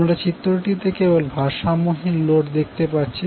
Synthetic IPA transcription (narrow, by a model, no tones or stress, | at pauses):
mɾat͡ɕit̪ːɾoʈit̪ekebolbʱaʃamoɦilloʈd̪ek̚ʰt̪epatːt͡ɕʰi